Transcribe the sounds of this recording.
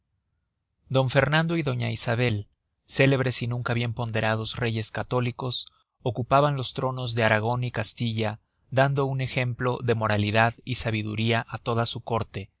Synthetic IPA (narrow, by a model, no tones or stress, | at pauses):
d̪o̞ɱfe̞ɾnãnd̪o̞iðo̞ɲa̰isaβ̞e̞l | se̞le̞β̞ɾe̞sinũŋkaβje̞mpo̞nd̪e̞ɾʔaðo̞zre̞ʝe̞skat̪o̞liko̞s | o̞kupaβanlo̞st̪ɾo̞no̞zðe̞aɾaɣ̞o̞nikast̪iʝa | ðand̪o̞une̞xe̞mplo̞ðe̞mo̞ɾaliðaðisaβ̞iðuɾiaʔat̪o̞ð̞asuko̞ɾt̪e̞